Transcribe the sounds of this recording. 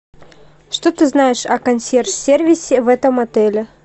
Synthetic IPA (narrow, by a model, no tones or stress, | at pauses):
ʂt̪ot̪ɨznajɪʂɐkɐnʲsʲersʲervʲɪsʲɪvɛt̪əmɐt̪ɛlʲɪ